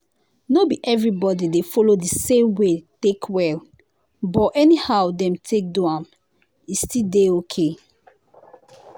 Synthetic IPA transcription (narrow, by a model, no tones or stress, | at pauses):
nobiʔɛvɹibɔdidefɔlodisẽmwetekʰwɛl | bɔʔɛnihawdɛ̃mtʰek̚duãm | istideokʰe